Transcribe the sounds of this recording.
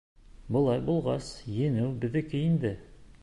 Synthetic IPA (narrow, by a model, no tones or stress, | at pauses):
bɤ̆lˠɑjbulˠʁɑsjɘ̆nɘwbɘ̆ðɘ̆kɘind̪ɘ